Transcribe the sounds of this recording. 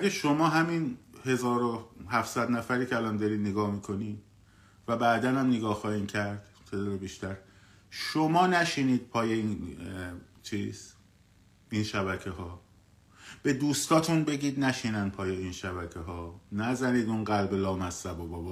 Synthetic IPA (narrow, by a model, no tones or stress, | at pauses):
æɡæʃo̞mɒːɦæminhe̞zɒːɾohæfsæd̪næfæɾiːkcʰeælɒːnd̪ɒɾiːd̪neɡɒːhmiːkʰo̞niːd̪ | væbæːd̪ænhæmneɡɒːhxɒːhiːmcʰæɾd̪̥ | t̪ʰed̪ɒɾebiʃt̪æɾ | ʃomɒːnæʃiːniːd̪̥̚pʰɒːjein | t͡ʃʰiːz̥ | inʃæβæcʰeɦɒː | b̥e̞d̪uːst̪ɒːt̪ʰunbe̞ɟiːd̪næʃiːnænpʰɒːje̞iːnʃæβæcʰeɦɒːnæzæniːd̪unɡælbelɒːmæsæbobɒːbː